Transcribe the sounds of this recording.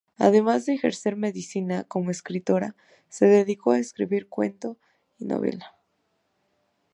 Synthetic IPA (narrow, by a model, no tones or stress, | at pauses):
a̰ðe̞mazðeːxe̞̰ɾse̞ɾme̞ðisinako̞moeskɾit̪o̞ɾa | se̞ðe̞ðiko̞aeskɾḭβiɾkwe̞̰nt̪o̞ | ino̰βḛla